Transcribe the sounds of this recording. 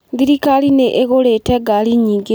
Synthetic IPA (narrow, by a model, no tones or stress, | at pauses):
ðiɾikalineʔeɣoleteɡaliɲiːŋɡi